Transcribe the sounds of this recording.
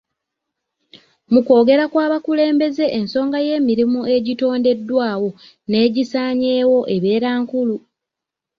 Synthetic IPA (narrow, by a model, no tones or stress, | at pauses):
muko̞ːɡe̞ɾakwaːβakule̞ːmbe̞ze̞ʔːnso̞ːŋɡaje̞ːmiɾimue̞ɟito̞ːnde̞dːwaːwo̞ | ne̞ːɟisaːɲe̞ːwo̞ʔe̞βe̞ːɾaːŋkulu